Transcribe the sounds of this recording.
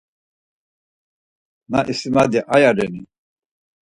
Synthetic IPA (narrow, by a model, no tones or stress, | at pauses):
naʔisimad̪ɛʔajaɾɛni